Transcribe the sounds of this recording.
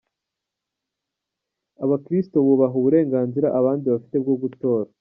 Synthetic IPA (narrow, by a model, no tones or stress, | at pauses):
aβakɾisto̞βuβaɦuβuɾe̞ːŋɡaːnziɾaʔaβaːndiβafi̥te̞b̚ɡoɡuto̞ːɾa